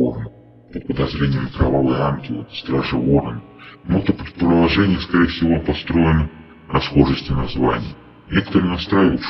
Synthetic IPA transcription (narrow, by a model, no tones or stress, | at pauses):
ornə | pət̪̚pəd̪ɐzɾʲenʲɪjəmkɾɐvavɨjanɡʲɪlˠə̰st̪ɾaʐɨo̞rn | not̪əpʲɪ̥pɾəd̪lˠɐʐɛnʲɪjəskɐɾʲejəfʲsʲɪvopɐst̪ɾo̞jɪnə | ɾɐsxo̞ʐəsʲtʲɪnɐzva̰nʲɪ̰jə | nʲe̞kə̥t̪əɾɨːnɐst̪ɾajɪvət̪